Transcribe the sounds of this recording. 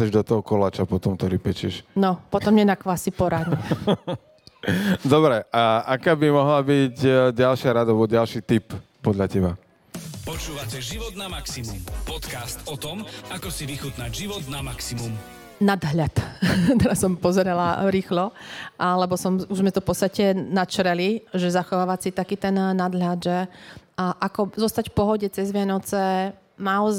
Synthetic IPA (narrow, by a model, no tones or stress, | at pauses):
ɛʒd̪ɔt̪ɔɦɔkɔlaːt͡ʃapɔt̪ɔmt̪ɔɾipɛt͡ʃɪɛʃnɔpɔt̪ɔmɲɛnakʋasipɔɾad̪ɲɛ | d̪ɔbɾɛʔaakaːbimɔɦlabiɟɟalʃɪaɾad̪albɔɟalʃiːt̪ip | pɔd̪ʎacɛba | pɔt͡ʃuːʋacɛʒiʋɔd̪namaksimumpɔt̪kast̪ɔt̪ɔmakɔsiʋixut̪naɟʒiʋɔd̪namaksimum | nad̪ɦʎat̪t̪ɛɾasːɔmpɔzɛɾɛlaɾiːxlɔʔlɛbɔsɔmuzmɛt̪ɔfpɔt̪st̪acɛnat͡ʃɾɛliʒɛzaxɔʋaːʋat͡sit̪akiːt̪ɛnːad̪ɦlad̪ʒɛ | ʔakɔzɔst̪acfpɔɦɔɟɛt͡sɛzʋɪanɔt͡sɛ | naɔz